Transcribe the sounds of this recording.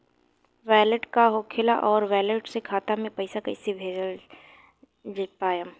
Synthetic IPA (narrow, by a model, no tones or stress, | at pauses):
ʋɛːləʈkaɦokʰɪlaʔɔːɾʋɛːləʈsekʰaːt̪amẽpɐɪsakɐɪsebʱeːd͡ʒəl | d͡ʒpaːjəm